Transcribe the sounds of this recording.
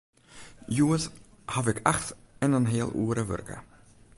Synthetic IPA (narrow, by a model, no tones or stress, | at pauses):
juːəs | havɛkʰaxtɛnanɦeːəlˠʔṵːɾəvɵ̰ɾkə̰